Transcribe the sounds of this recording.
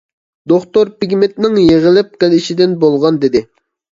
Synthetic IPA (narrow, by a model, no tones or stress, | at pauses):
d̪oχt̪oɾpiɡʲmɪt̪̚nɪŋjeʁɪlɪp̚qɪliʃid̪ɪnbolˠʁɑnd̪ɪd̪ɪ